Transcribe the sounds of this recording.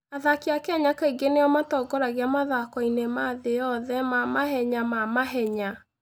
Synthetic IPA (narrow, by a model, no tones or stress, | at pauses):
aðakeakeaɲakaiɡeneɔmatɔɡɔɾaɣeamaðakɔinemaðejɔðɛmamaɦɛɲamamaɦɛɲa